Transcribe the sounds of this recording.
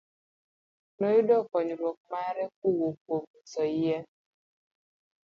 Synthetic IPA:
noudɔkɔɲiɾɔkmaɾɛk̚uwokom̩sɔijɛ

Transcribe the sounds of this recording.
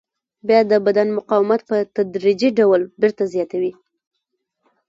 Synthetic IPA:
bjɑjad̪əbad̪anmʊqɑwɪmat̪̚pət̪ad̪ɾid͡ʒiɖawlbeɾt̪azjɑt̪awi

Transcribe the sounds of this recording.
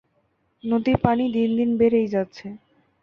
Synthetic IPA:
nod̪ipanid̪ind̪inbeɾejd͡ʑat̪ːɕʰe

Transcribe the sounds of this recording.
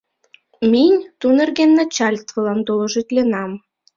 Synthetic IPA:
minʲt̪unə̆rɣenːɑt͡ɕɑlʲt̪vəlɑnt̪olɤ̆ʒet̪ʲlʲenɑm

